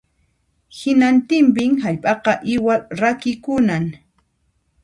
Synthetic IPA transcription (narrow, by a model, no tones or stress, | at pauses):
hɪnant̪ɪmp̬ɪŋhaʎpʼɑqɑʔɪwaɾakɪkʊnaŋ